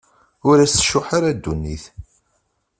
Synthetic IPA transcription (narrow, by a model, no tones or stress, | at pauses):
ʊɾæsə̥ʃːʊħaɾad̪ːunːḭθ